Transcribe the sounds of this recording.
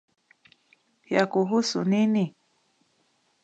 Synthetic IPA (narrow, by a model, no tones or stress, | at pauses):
jakuɦusunini